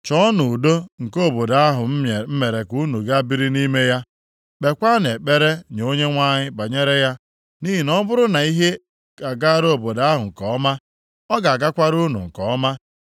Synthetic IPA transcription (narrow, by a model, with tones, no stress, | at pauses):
t͡ʃɔ˦nʊ˨do˦ŋ̩˨ko˦˨bo˨da˨a˦ɦʊ˨m̩˦˨m̩˦me˨ɾe˨ku˦nu˨ɡa˦bi˦ɾi˦ni˦me˦ja˦ | k͡pe˨kʷa˦ne˨k͡pe˦ɾe˦ɲ˨o˦ɲe˦ŋʷa˦ɲɪ˦ba˨ɲe˦ɾe˦ja˦ | ni˦ɦi˨nɔ˦bʊ˦ɾʊ˦na˨i˦ɦe˦ | ka˨ɡa˦ɾo˦˨bo˨da˦ɦʊ˨ŋ̩˨kɔ˨ɔ˦ma˦ | ɔ˦ɡa˨a˨ɡa˦kʷa˦ɾu˦nʊ̰˨ŋ̩˨kɔ˨ɔ˦ma˦